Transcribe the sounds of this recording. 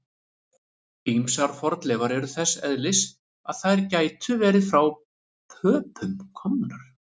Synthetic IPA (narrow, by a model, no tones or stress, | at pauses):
imsaɾ̥fɔɾt̪lɛvaɾɛɾʏθɛsːɛðlɪs | aðθaðɾcaːjt̪ʰʏvɛːɾɪðfɾaw | pʰœːpʰʏmkʰɔmnʏɾ̥